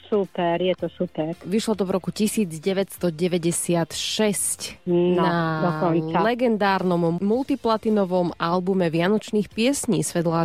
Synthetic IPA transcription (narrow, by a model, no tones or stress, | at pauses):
supɛɾjɛt̪ɔsupɛɾʋiʃlɔt̪ɔvɾɔkucisiːd͡zɟɛʋɛcst̪ɔɟɛʋɛɟɛsɪat̪ʃɛscnaɔnsalɛɡɛnd̪aːɾnɔmmult̪iplat̪inɔʋɔmalbumɛʋɪanɔt͡ʃniːxpɪɛsɲiːsʋɛd̪la